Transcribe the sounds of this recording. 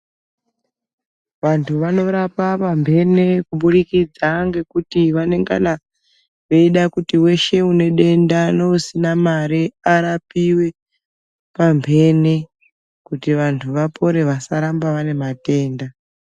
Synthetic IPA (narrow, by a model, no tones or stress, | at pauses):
ʋantʰuʋano̞ɾapapambʱe̞ne̞kuɓuɗikid͡zaŋɡe̞kutiʋane̞ŋɡa̰na | ʋe̞iɗakutiwe̞ʃe̞une̞ɗe̞ndanousinamaɾiaɾapiwe̞ | pambʱe̞ne | kutiʋantʰuʋapʰo̞ɾe̞ʋasaɾambaʋane̞mate̞ːnda